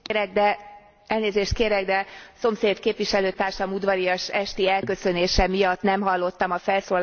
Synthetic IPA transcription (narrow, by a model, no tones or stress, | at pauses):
ɾɛɡ̚d̪ɛ | ɛlneːzeːʃt̪̚keːɾɛɡd̪ɛso̞mseːt̪keːpʋiʃɛløːt̪aːrʃɒmud̪ʋɒɾijɒʃɛʃt̪iɛlkø̞sø̞neːʃɛmijɒt̪nɛmɦɒlːo̞t̪ːɒmɒfɛlsoː